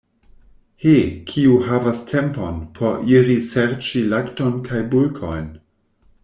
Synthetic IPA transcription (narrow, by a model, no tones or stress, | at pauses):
hekʰiuhavastʰemponpʰoɾʔiɾiseɾt͡ʃilaktonkʰajbulkʰo̰jn